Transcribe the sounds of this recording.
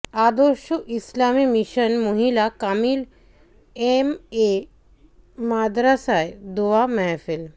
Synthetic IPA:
ad̪oʃuʔislamimiʃənmoɦilakamiːl | eme | mad̪ɾasajd̪uʋamɛɦfil

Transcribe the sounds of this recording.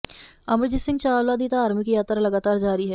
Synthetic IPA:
ɐmɾd͡ʒisɪ̃ŋɡt͡ʃaːlʋaːd̪iːt̪aaːɾmikijaːt̪ɾalɐɡaːt̪aːɾd͡ʒaːɾiɦɛː

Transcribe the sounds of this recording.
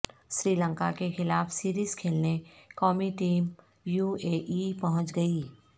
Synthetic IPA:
ʃɾiːlə̃ŋka̰kexɪlaːfsiːɾiːz̥kʰeːlnekɔːmiʈiːm | juːeːʔipɐɦʊ̃t͡ʃɡɐiː

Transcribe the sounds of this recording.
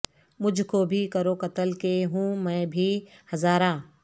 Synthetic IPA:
mʊd͡ʒʱkobʱikɐɾokɐt̪əlkeɦũːmɛ̃ːbʱihɐzaːɾaː

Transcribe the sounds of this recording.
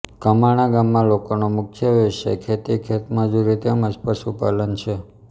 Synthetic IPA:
kəmaɽ̃ãɡamːãlokonomʊkʰjəʋeʃḛkʰet̪ikʰet̪mãd͡ʒuɾit̪eəməspəʃupalənt͡ʃʰe

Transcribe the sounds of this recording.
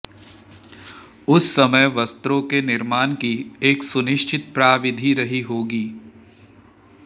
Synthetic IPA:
ʊsːɐməjʋɐst̪ɾõkenɪɾmaːnkieːksʊnɪʃt͡ʃɪt̪̚pɾaːʋɪd̪ʱiɾɐɦiɦoːɡiː

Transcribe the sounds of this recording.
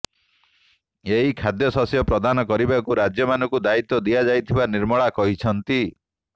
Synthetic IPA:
eɦikʰad̪jɔsɔsjɔpɾɔd̪anɔkɔɾibakuɾad͡ʒjɔmanɔŋkud̪ait̪ɔd̪ijad͡ʒajt̪ʰibaniɾmɔɭakɔɦit͡ʃʰɔnt̪i

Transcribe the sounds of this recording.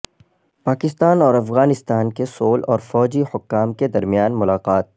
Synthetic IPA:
paːkɪst̪aːnɔːɾɐfɣaːnɪst̪aːnkesoːlɔːɾfɔːd͡ʒihʊkːaːmked̪ɐɾmijaːnmʊlaːqaːt̪̚

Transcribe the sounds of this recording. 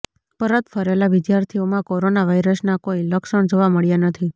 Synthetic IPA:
pəɾət̪fʰəɾelaʋɪd̪jaɾt̪ʰiomãkoɾonaʋajɾəsnakoiləkʃəɳd͡ʒoʋaməɭjanət̪ʰi

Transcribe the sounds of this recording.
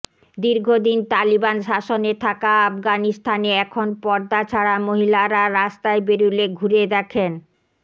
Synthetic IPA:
d̪iɾɡʱod̪int̪alibanʃaʃonet̪ʰakaafɡanist̪ʰaneɛkʰonpɔɾd̪at͡ɕʰaɽamoɦilaɾaɾast̪aebeɾuleɡʱuɾed̪ɛkʰen

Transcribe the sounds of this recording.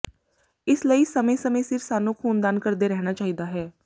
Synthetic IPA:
ɪsləiːsəmẽːsəmẽːsɪɾsaːnũːkʰuːnd̪aːnkəɾd̪eːɾɛɦñaːt͡ʃaːɦiːd̪aːɦɛː

